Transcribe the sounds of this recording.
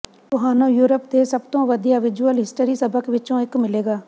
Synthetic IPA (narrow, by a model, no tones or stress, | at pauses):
t̪ʊɦaːnõːjuːɾəp̚d̪eːsəbt̪õːʋəd̪ijaːʋɪd͡ʒuəlɦɪsʈəɾiːsəbəkʋɪt͡ʃõːɪkmɪleːɡaː